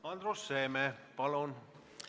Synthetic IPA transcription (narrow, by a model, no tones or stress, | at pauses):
ɑnd̪ɾosːeːmepɑlun